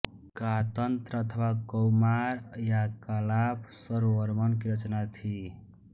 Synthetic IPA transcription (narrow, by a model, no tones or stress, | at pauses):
kat̪ənt̪ɾəət̪ʰʋakəwmaɾjakəlapsəɾʋəɾmʌnkiɾət͡ʃnat̪ʰi